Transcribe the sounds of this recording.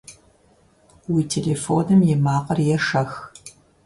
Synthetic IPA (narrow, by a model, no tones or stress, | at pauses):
wiːtʰeːleːfoːnɨmjɛmaːqʼɐrjɛʂɐx